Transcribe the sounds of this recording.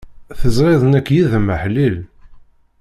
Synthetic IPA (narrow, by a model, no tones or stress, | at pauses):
θəzˤɾeðˤənækːjiðəməħlil